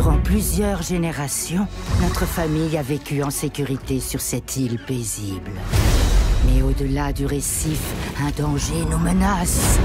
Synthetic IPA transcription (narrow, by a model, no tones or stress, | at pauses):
ʁɑ̃plyzjœʁʒeneʁasjɔ̃nɔt̪χəfamijavekʲyɑ̃sekʲyʁit̪esyʁsɛt̪ʰilpezibl | mɛod̪əlad̪yʁesifɛ̃d̪ɑ̃ʒenomənas